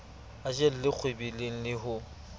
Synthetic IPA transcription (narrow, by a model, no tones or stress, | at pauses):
at͡ʃʼel̩lɪk͡xʰwebileŋ̩lɪhʊ